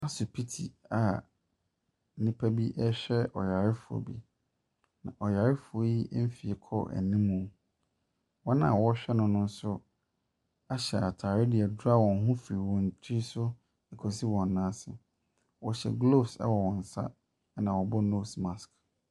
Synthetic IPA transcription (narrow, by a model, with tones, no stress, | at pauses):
a˦sʊ˨pʰi˦tʰi˨a˨ | n̩˦nĩ˦pʰa˦bi˦ʔɛ˦ɕᶣɛ˦ʔɔ̰˨ja˨ɾɪ˦fʊ˨ɔ̰˨bḭ˨ | nã̰˨ʔɔ˨ja˨ɾɪ˦fʊ˨o˦ji˦ʔm̩˦fi˨e˨kʰɔ̰˦ʔæ̰˨nĩ˦mũ˨˦ | wɔ˦nã̰˦˨wɔ˦ɕᶣɛ˦nʊ̃˨nʊ̃˦n̩˦sʊ˦ | a˦ɕɛ˨a˨tʰaː˨ɾɪ˦dɪ˨ɛ˨dʊ˦a˦wɔ̃˨n˦ɦʊ̃˦fɾi˨wɔ̃˨n˨t͡ɕʰi˦sʊ˦˨ | kʰɔ˨si˦wɔ̃˨n˨nã˦sɪ̰˨ | wɔ˨ɕɛ̰˨ɡlo˦˨sɛ̰˦wɔ˨wɔ̃˨n̩˨sa̰˦ | nã˨wɔ˨bɔ˦no˦˨smã˨sk